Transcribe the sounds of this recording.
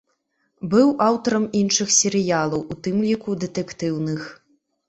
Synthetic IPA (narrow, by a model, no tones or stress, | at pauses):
bɨwʔawt̪ɐɾɐminʂɨxsʲɛɾɨjalˠɐwʔut̪ɨmlʲikud̪ɛt̪ɛkt̪ɨwnɨx